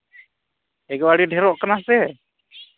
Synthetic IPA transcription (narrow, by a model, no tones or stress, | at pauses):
ɛɡɔwaɽiɖʱɛɾɔʔkanasɛ